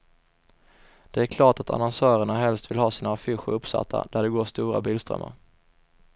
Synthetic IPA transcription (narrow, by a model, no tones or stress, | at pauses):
d̪̥ɛæɾkʰlɑːʈat̪ʰa̰nɔnsœːɾəɳaɦɛlst̪vɪlɦɑːsiːnaːfɪɧʊ̰ɾɵpsa̰t̪ʰːa̰d̪æɖɛɡoːʂt̪uːɾa̰biːlst̪ɾœ̰mːa̰ɾ